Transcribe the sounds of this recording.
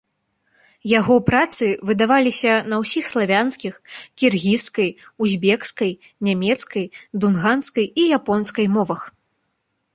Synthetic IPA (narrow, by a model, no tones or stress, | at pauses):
jaɣɔpɾat̪sɨvɨd̪avalʲisʲɐnɐwsʲixslˠavʲanskʲixkʲirɣʲiskɐjuzʲbʲɛkskɐj | nʲamʲɛt̪skɐjd̪unɣanskɐjijapɔnskɐjmɔvɐx